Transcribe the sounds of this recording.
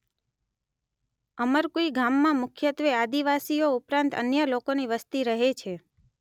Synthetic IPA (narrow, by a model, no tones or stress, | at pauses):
əməɾkoiɡʱamːãmʊkʰjət̪ʋead̪iʋasioupɾãnt̪ə̰njəlokoniʋəst̪iɾəɦet͡ʃʰe